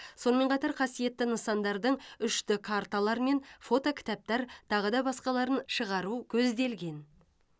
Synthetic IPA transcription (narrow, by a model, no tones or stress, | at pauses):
so̞nəme̞ɴqʰɑt̪ɑɾqʰɑsije̞t̪ːɪnəsɑnd̪ɑɾd̪əɴʏʃt̪ɪkʰaɾt̪alˠɑɾme̞nfo̞t̪okʲʰɪ̥t̪ɑp̚t̪ɑɾt̪ʰɑʁəd̪ɑbɑsqɑlˠɑɾənʃəʁɑɾukʲʰɵzd̪e̞lɡʲe̞n